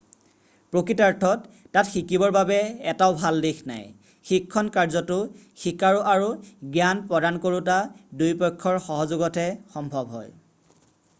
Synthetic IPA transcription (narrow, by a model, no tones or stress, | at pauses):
pɹokɹitaɹtʰɔtː | atxikibɔɹbabɛɛtaʊbʱaldexʰna̰j | xikʰːɔnkaɹzɔtʊ | xikaɹuʔaɹuɡjanpɹɔdankoɹutadujpɔjkʰːɔɹxɔɦɔzoɡɔtɛxɔmbʱɔbɦɔ̰j